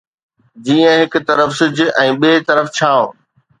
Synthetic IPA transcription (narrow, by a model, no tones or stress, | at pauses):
d͡ʑiːə̃ɦɪkʊ̆t̪ɐɾəfsɪd͡ʑʔɛ̃ːɓeːt̪ɐɾəft͡ɕʰãː